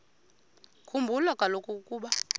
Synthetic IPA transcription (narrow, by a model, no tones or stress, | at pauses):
kʰumbʱulɔkʼalokʼukʼuːɓa